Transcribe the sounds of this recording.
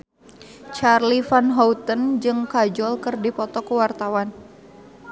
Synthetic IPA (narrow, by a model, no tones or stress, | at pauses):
t͡ʃarlifanɦɔwt̪ənd͡ʒɨŋkad͡ʒɔlkɨrdipɔt̪ɔkəwart̪awan